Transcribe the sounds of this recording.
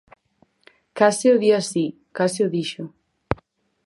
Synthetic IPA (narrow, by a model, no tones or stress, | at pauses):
kasɪʊðiasi | kasɪʊðiʃʊ